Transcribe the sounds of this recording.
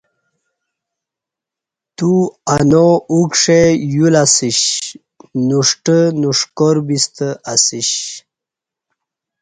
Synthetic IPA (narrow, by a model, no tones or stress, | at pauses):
t̪uanoukʂejulasiɕ | nuʂʈənuʂkoɾbist̪əʔasiɕ